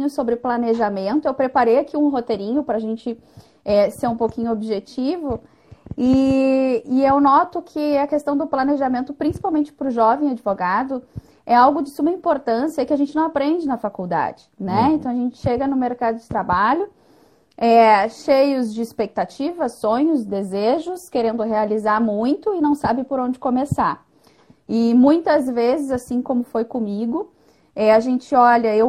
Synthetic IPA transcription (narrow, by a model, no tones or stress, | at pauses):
ɲʊsobɾɪplaneʒamẽnt̪ʊewpɾepaɾejakʰiũɦot̪eɾĩɲʊpɾɐːʒẽnt͡ʃɪ | ɛseɾũpowkĩɲʊobiʒet͡ʃivʊ | ɪ | ɪewnɔt̪ʊkʰɪɐkest̪ɐ̃w̃d̪ʊplɐneʒamẽnt̪ʊpɾĩsi̥pawmẽnt͡ʃɪ̥pɾʊʒɔvẽj̃ad͡ʒɪvoɡad̪ʊ | ɛawɡʊd͡ʒɪsumɐĩpoɾt̪ɐ̃sijɐɛkɪaɐʒẽnt͡ʃɪnɐ̃w̃apɾẽnd͡ʒɪnɐfakuwd̪a̰d͡ʒɪnɛẽnt̪ɐ̃w̃ɐʒẽnt͡ʃɪ̥ʃeɡɐnʊmeɾkad̪ʊd͡ʒɪt̪ɾabaʎʊ | ɛʃejʊzd͡ʒɪispek̚t̪at͡ʃivɐsõɲʊzd̪ezeʒʊskeɾẽnd̪ʊɦealizaɾmũj̃t̪ʊɪnɐ̃w̃sabɪpoɾõnd͡ʒɪkõmesaɾ | ɪmũj̃t̪ɐzvezɪzasĩkõmʊfojkõmiɡʊ | ɛaʒẽnt͡ʃɪɔʎɐew